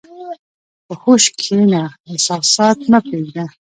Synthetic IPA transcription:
pəxoʃkʰemaesɑːsɑt̪napeɡd̪a

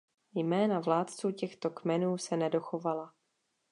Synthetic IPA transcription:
jmɛːnavlaːt̪t͡suːcɛxt̪o̞kmɛnuːsɛnɛdo̞xovala

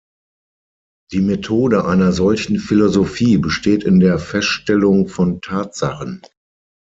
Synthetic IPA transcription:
d̥iːmetʰoːdəʔaɪnɐzɔlçn̩filozofiːbəʃteːtɪndeːɐfɛstʃtɛlʊŋfɔntʰaːtz̥a̰χən

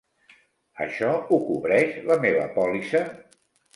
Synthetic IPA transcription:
ə̰ʃɔukuβɾɛʃləmeβə̰pɔlisə

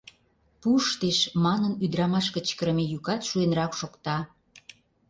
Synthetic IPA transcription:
puʃt̪eʃmɑnənyd̪ɾɑmɑʃkə̆t͡ɕkə̆ɾə̆mejykɑt̪ʃuenɾɑkʃokt̪ɑ

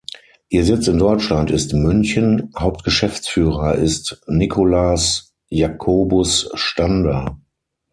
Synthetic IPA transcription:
ʔiːɐzɪt͡sɪndɔʏt͡ʃlantɪstmʏnçənhaʊp̚tɡ̥əʃɛft͡sfyːʁɐʔɪstnikʰolas | jakʰoːbʊsʃtandɐ

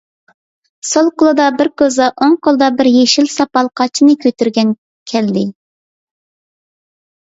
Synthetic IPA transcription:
solˠqʊlˠɨd̪ɑbɪɾkʲøzɑʔoŋqʰolˠd̪ɑbɪɾjeʃilsɑpɑlˠqʰɑt͡ʃʰinɨkʲʰøt̪yɾɡʲɛn | kʲʰɛld̪ɪ

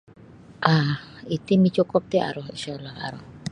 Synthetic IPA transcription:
ʔahit̪imit͡ʃɔkɔp̚t̪ea̰ɾɔhḭʃalaha̰ɾɔh

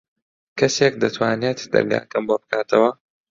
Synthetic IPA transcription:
kɐsek̚d̪ɐt̪ʰwaːneːt̪d̪ɐ̰ɾɡa̰ːkɐmbobɨkʰaːt̪ʰɐwɐ

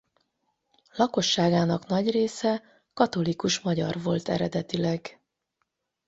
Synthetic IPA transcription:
lɒkoʃːaːɡaːnɒknɒɟreːsɛ | kɒt̪o̞likuʃmɒɟɒrvo̞lt̪ɛ̰ɾɛd̪ɛt̪ilɛɡ

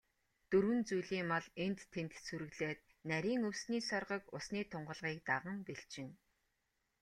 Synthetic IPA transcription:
t̪ɵɾwɘ̆nt͡sujɮiːmɔɮent̪ʰːent̪suɾɘ̆ɣɮeːt̪̚ | næɾʲiːŋɵwsniːsɔrʁə̆kʊsniːt̪ʰʊɴɢə̆ɮʁiːk̚t̪aʁə̆mpeɬt͡ɕɪ̆n

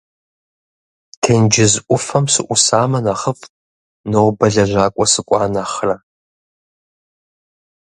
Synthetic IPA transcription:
tʰeːnd͡ʒɪzʔʷʊfɐmsɨʔʷʊsaːmɐnɐχəfʼ | nɐwbɐɮɐʑʷaːkʷʼɔsɨkʷʼɑːnɐχrɐ

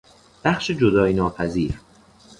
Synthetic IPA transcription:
b̥æχʃed͡ʒod̪ɒːjinɒːpʰæziːɾ

